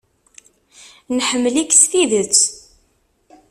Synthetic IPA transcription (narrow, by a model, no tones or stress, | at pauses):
nħəmːəliksθiðət͡sː